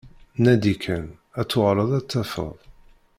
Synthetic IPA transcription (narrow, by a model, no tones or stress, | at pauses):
næd̪ikʰæn | æt͡sːʊʁɾˤəðˤæt͡sːæfə̰ðˤ